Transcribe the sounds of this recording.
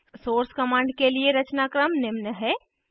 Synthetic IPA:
soːɾskɐmãːɳɖkelieɾɐt͡ʃnaːkɾəmnɪmnəɦɛː

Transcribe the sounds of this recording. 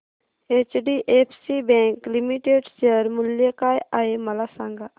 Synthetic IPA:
eːt͡ʃɖiʔeːpʰsibɛ̃ːŋklimiʈeːɖseəɾmʊljəkaːjaemɐlasãːŋɡa

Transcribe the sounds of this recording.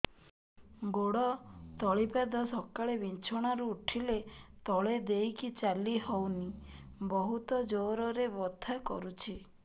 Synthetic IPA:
ɡoɽɔt̪ɔɭipad̪ɔsɔkaɭebint͡ʃʰɔɽ̃aɾuːʈʰilet̪ɔɭed̪ejkit͡ʃaliɦɔwnibɔɦut̪ɔd͡ʒoɾɔɾebɔd̪ʱʰakɔ̰ɾut͡ʃʰi

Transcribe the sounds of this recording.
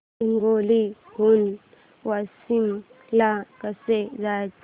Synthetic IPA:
iŋɡoliɡun | wasim | jakasɛzat͡ʃ

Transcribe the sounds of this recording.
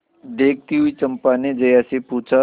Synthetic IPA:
d̪eːk̚ʰt̪iɦʊit͡ʃɐ̃mpaned͡ʒɐjasepuːt͡ʃʰa

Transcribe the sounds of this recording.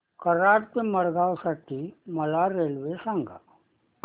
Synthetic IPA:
kəɾaːɾt̪emɐɾɡaːosəʈːimɐlaɾeːlʋesãŋɡa

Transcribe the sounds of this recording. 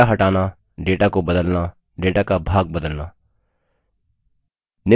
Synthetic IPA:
aɦɐʈaːna | ɖeːʈakobɐd̪əlna | ɖeːʈakabʱaːɡ̚bəd̪əlnaː | nɪ

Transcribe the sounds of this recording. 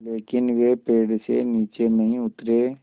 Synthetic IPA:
leːkɪnʋepeːɽsḛniːt͡ʃenɐɦĩʊt̪ɾeː

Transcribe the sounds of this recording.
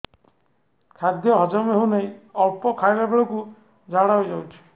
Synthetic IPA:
kʰad̪jɔɦɔd͡ʒɔmɦewnaĩɔɭpɔkʰajlabeɭɔku | d͡ʒʱaɽaɦojd͡ʒawt͡ʃʰi̥

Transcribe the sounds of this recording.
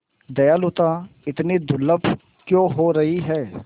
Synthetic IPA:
d̪ɐjalʊt̪ãɪt̪ned̪ʊlːəb | kjõːɦoɾɐɦiɦɛː

